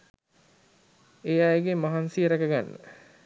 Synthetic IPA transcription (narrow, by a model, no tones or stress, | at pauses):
ejaeɡemaɦansijəɾɛkəɡanːə̰